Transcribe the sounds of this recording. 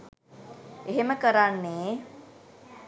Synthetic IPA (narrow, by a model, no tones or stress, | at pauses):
eɦeməkəɾanːeː